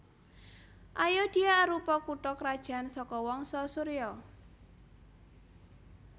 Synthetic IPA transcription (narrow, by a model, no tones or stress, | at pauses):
ʔajɔd̪̥iaɾupɔkuʈɔkɾad̥ʒ̥a̤nsɔkɔwɔŋsɔsuɾiɔ